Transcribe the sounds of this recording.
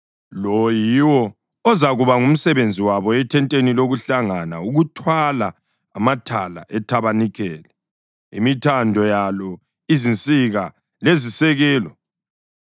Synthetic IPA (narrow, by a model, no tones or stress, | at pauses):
lɔjiwɔː | zaɣuβaŋum̩sɛβend͡zʱiwaβɔɛtʰɛntʼeniloɣuɬaŋanauɣutʰwalaː | matʰala̰ʔɛtʰaβanikʰɛːlɛ | ḭmitʰandʱɔjalɔ | izint͡sʼiɣa | lezisɛɣɛːlɔ